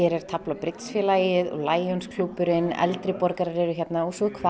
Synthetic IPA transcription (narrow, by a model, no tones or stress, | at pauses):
ɛɾɛɾ̥t̪ʰaplapɾɪt̪sfjɛlaːjɪðɔ̰ɣlaːjɔnskʰlupʏɾɪnɛ̰lt̪ɾɪpɔɾkaɾaɾɛɾʏçɛt̪naɔsɔkʰva